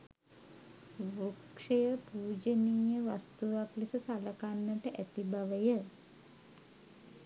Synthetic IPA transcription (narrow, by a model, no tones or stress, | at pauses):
ʋukʂejəpuːd͡ʒənijəʋast̪uʋaklisəsaləkanːəʈəʔæt̪ibaʋəjə